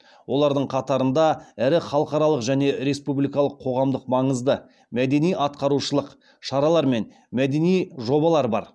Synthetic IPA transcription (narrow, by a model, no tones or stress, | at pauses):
wʔo̞lˠɑɾd̪əɴqʰɑt̪ɑɾənd̪ɑæɾɪχɑlˠəqɑɾɑlˠəqʒæne̞ɾe̞spublijkɑlˠəqʰːo̞ʁɑmd̪əqmɑɴəzd̪ə | mæd̪e̞nijɑt̪̚qɑɾuʃəlˠəq | ʃɑɾɑlˠɑɾme̞n | mæd̪e̞nijʒo̞bɑlˠɑɾbɑ̰ɾ